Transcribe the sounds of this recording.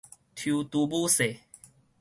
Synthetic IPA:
t̪ʰju˧t̪u˧bu˦se˨

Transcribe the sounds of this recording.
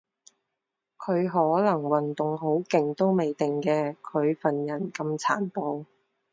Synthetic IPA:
kʰɵ˨˧ɥɦɔː˨˥lɐ˨˩ŋwɐ˨nt̪ʊ˨ŋɦo˨˥wkɪ˨ŋt̪o˥wme˨jt̪ɪ˨ŋkɛː˧kʰɵ˨˧ɥfɐ˨njɐ˨˩nkɐ˧mt͡sʰaː˨˩npo˧w

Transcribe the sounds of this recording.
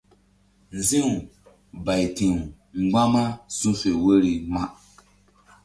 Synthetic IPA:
n̩˨zĩ˦u˨ | ba˨jti˨u˨ | ŋ͡m̩˨ɡ͡ba˦ma˦sũ˦fe˨we˦ɾi˨ma˦

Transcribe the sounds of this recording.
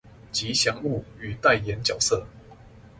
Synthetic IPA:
t͡ɕi˨˦ɕjɑ˧˥˦ŋu˥˨y˨˩t̪a˥˨ɪjɛ˨˦nt͡ɕjɑ˨˩ʊsɤ˥˨

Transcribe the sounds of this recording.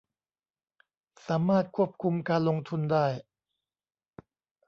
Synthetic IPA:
saː˩˦maː˥˩t̪̚kʰu˥˩əp̚kʰu˧mkaː˧nlo˧ŋt̪ʰu˧ndaː˥˩j

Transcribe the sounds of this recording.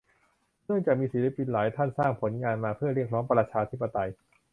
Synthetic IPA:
nɯ˥˩əŋt͡ɕaː˨˩k̚miː˧siː˨˩˦li˦˥pːi˧nlaː˩˦jt̪ʰa˥˩nsaː˥˩ŋpʰo˩˦nŋaː˧nmaː˧pʰɯ˥˩ɐɾi˥˩ək̚ɾɔː˦˥ŋpɾaː˧t͡ɕʰaː˧t̪ʰi˦˥pːa˧t̪a˧j

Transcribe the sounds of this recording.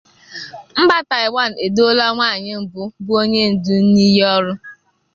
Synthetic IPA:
m̩˦ɡ͡ba˦ta˨ɪ˨wa˦˨n̩˨e˨do˦la˦ŋʷaː˦˨ɲɪ˦m̩˨bʊ˦bʊ˦o˦ɲe˦n̩˨du˦n̩˦ni˦jɔ˦ɾʊ˦

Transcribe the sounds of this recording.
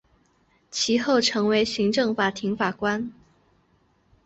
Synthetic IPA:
t͡ɕʰi˧˥xo˥˩ʊʈ͡ʂʰɤ˧˥ŋwe˧˥ɪɕi˧˥ŋʈ͡ʂɤ˥˩ŋfa˨˩t̪ʰi˧˥ŋfa˨˩kwa˥n

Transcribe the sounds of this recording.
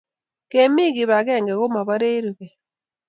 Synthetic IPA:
ke˨mi˦ɡɪ˨βa˨ɡɛ˦˨ŋɡɛ˨ɣo˦ma˨βa˦ɾe˦ɾu˨ɣɛ˨

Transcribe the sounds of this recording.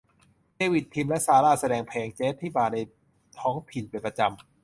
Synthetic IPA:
teː˧wi˨˩t̪ʰːi˧mlɛ˦˥ʔsaː˧laː˧˥˩sa˧dɛː˧˩ŋpʰɛː˨˩ŋt͡ɕeː˦˥t̪ʰːiː˥˩baː˨˩na˧j | t̪ʰɔː˦˥ŋt̪ʰi˨˩npa˧˩npɾa˧t͡ɕa˧m

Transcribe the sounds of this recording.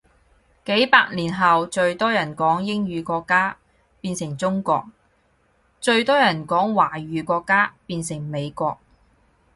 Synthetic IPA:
ke˨˥jpaː˧k̚liː˨˩nɦɐ˨wt͡ʃɵ˧ɥt̪ɔː˥jɐ˨˩nkɔː˨˥ŋjɪ˥ŋɥyː˨˧kɔː˧kːaː˥ | piː˧nsɪ˨˩ŋt͡sʊ˥ŋkɔ̰ː˧k̚ | t͡ʃɵ˧ɥt̪ɔː˥jɐ˨˩nkɔː˨˥ŋwaː˨˩ɥyː˨˧kɔː˧kːaː˥piː˧nsɪ˨˩ŋme˨˧jkɔː˧k̚

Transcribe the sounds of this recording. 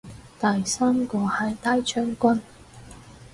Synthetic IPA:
t̪ɐ˨jsaː˥mkɔː˧hɐ˨˥˩jt̪aː˥jt͡ʃʰœː˥ŋkʷɐ˥n

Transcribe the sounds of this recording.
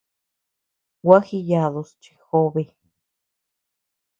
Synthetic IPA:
wa˦xi˧ja˧˨ðo˧st͡ʃi̥˧xo˦βe˧

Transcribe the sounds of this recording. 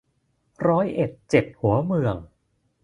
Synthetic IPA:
ɾɔː˦˥jʔe˨˩t̪̚t͡ɕe˨˩t̪̚hu˩˦ɐmɯ˧əŋ

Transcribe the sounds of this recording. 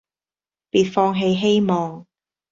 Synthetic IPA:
piː˨t̚fɔː˧ŋɦe˧jɦe˥jmɔː˨ŋ

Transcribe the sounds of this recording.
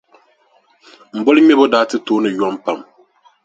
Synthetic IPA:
m̩˨bɔ˦lɨ˦mɛ˦bo˦daː˦tɨ˦toː˦nɨ˨jɔ˦mpa˨m

